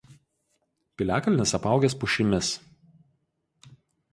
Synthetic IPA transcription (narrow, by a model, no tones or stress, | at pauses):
pʲɪlʲæːkɐlʲnʲɪsɐpɑˑʊɡʲɛspʊʃʲɪmʲɪs